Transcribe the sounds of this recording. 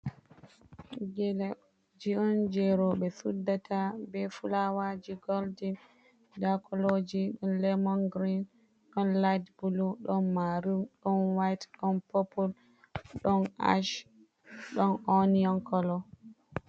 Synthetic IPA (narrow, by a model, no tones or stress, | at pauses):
d͡ʒɛl | d͡ʒiɔnd͡ʒɛɾɔɓɛsudːatʰabɛfulawad͡ʒiɡɔldin | dakʰɔlod͡ʒiɗɔnlɛmɔnɡɾin | ɗɔnlajdbuluɗɔnmaɾumɗɔnwajtɗɔnpopul | ɗɔnʔa̰ʃ | ɗɔnɔniɔnkɔlɔ